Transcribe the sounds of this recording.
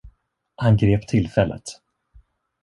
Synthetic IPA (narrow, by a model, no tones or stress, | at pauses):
hanɡɾeːpt̪ʰɪlfɛlːʔə̰t̪